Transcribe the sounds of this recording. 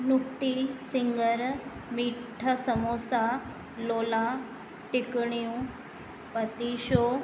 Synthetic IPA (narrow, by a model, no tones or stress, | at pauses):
nukt̪isiŋɡəɾmiʈʰəsəmosa | lola | ʈikɳ̃iũ | pət̪iɕo